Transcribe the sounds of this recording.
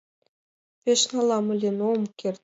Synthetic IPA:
pʲeʃnɑlˠɑmɤ̆lʲenomkʲerʲt̪̚ʲ

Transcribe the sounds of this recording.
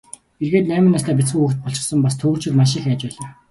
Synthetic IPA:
xerɣeːt̪næːmənːast̪ʰæːp̬ʲit͡sɡuːuxt̪̚pɔɮt͡ɕɪ̆sə̆mpast̪ʰɵːr̥t͡ɕʰĭrmaʃ̬ɪ̆xaːt͡ɕpæːɮaː

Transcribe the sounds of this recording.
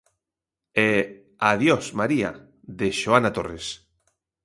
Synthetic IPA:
ɛ | aðjosmaɾia̰ | ðeʃoanat̪ores

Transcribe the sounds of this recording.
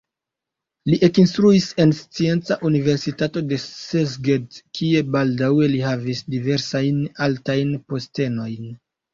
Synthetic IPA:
liʔe̞kinstɾuise̞nst͡sie̞nt͡saʔunive̞ɾsitato̞de̞sezɡedkʰie̞baldawe̞liɦavisdive̞ɾsajnaltajnpo̞ste̞no̞jn

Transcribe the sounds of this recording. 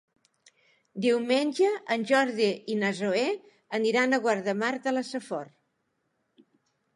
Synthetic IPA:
d̪iwmenʲʒəʔənʲʒɔɾðiinəzoe | əniɾanəɣwaɾðəmaɾt̪ələsəfɔr

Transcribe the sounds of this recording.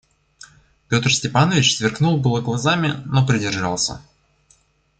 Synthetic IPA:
pʲo̞t̪rsʲtʲɪpanəvʲɪt͡ɕsvʲɪrknulˠbɨlˠəɡlˠazamʲɪno̞pɾʲɪdʲɪrʐa̰lˠsʲə̰

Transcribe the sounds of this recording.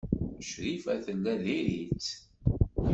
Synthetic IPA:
ʃɾifæθəlːæðiɾit͡s

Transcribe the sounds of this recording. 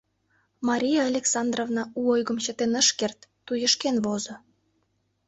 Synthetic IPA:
mɑɾʲijɑːlʲeksɑnd̪rovnɑuojɣə̆mt͡ɕə̆t̪enə̆ʃkert̪ːujə̆ʃkenβozo

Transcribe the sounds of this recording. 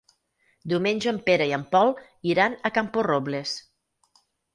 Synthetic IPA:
d̪iwmeɲʲd͡ʒəəmpeɾəiəmpɔlˠ | iɾanəkampuroβles

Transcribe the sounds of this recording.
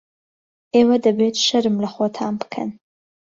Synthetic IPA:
eːwɐd̪ɐbeːtʰʃɐɾɨmlɐχot̪ʰaːmbkʰɐ̰n

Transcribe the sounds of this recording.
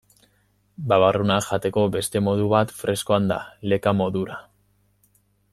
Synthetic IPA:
baβarunaʝat̪e̞ko̞be̞st̪e̞mo̞ð̞uβat̪fɾe̞skoand̪a̰le̞kamo̞ðuɾa

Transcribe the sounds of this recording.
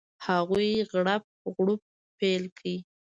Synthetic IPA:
haɣujɣɽap̚ɣɽup̚ | pelkʰai

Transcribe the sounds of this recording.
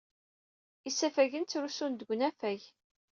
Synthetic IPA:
isːæfæʝənt͡sːɾusund̪əɡʷnæfæj

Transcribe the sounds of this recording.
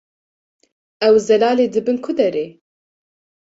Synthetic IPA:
ɛwzɛlaːleːd̪ɨbɨnkʰʊd̪ɛɾeː

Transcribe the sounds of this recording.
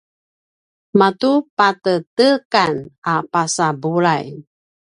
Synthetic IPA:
matupatətəkanapasabulaj

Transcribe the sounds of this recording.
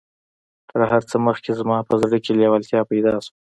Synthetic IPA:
t̪ʰəɾhaɾt͡səməxkezmɑpəzɽəkeljawalt̪jɑpajd̪ɑsu

